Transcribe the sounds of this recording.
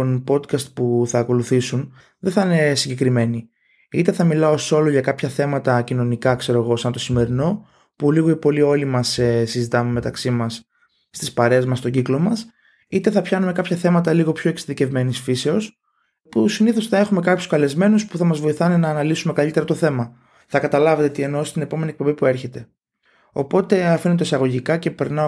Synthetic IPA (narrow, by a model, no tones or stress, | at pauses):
onpo̞d̪kɐst̪̚puθɐːko̞luθisun | ðeθɐine̞siɲɟe̞kɾime̞ni | it̪e̞θɐmilɐoso̞loʝɐkɐpçɐθe̞mɐt̪ɐcino̞nikɐkse̞ɾo̞ɣo̞sɐnt̪o̞sime̞ɾino̞ | puliɣoipo̞lio̞limɐsesizit̪ɐmeme̞t̪ɐksimɐsː | t̪ispɐɾe̞ːzmɐst̪o̞ɟiklo̞mɐs | it̪e̞θɐpçɐnume̞kɐpçɐθe̞mɐt̪ɐliɣo̞pço̞eksiðice̞vme̞nisfise̞o̞s | pusiniθo̞sθɐe̞xume̞kɐpçu̥skɐle̞zme̞nuspuθɐmɐzvo̞iθɐnenɐːnɐlisume̞kɐlit̪eɾɐt̪oθe̞mɐ | θɐkɐt̪ɐlɐve̞t̪et̪ie̞nost̪ine̞po̞me̞niek̚po̞mbipue̞ɾçe̞t̪e̞ | o̞po̞t̪e̞ɐfinet̪oisɐɣo̞ʝikɐce̞pe̞ɾnɐ